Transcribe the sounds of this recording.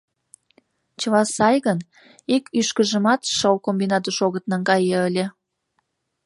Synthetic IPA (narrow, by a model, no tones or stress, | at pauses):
t͡ɕəβɑsɑjɣən | ekyʃkəʒəmɑt̪ʃəwkombinɑt̪əʃoɣət̪nɑŋɡɑjəəlʲe